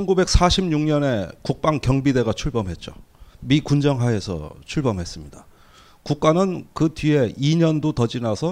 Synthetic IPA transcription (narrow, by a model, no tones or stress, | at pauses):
ʌnɡube̞k̚s͈aɕʰimɲuŋɲʌne̞kuk̚p͈aŋkjʌŋbide̞ɡat͡ɕʰuɭbʌmɦe̞t̚t͡ɕ͈o̰mikund͡ʑʌŋɦwae̞sʰʌ̰t͡ɕʰuɭbʌmɦe̞s͈ɯmɲida | kuk̚k͈anɯnkɯtɥie̞iɲʌndotʌd͡ʑinasʰʌ